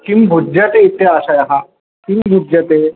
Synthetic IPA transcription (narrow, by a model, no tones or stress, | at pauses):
kimbʱud͡ʑjət̪eit̪ːeaɕajaɦa | kimbʱud͡ʒjət̪e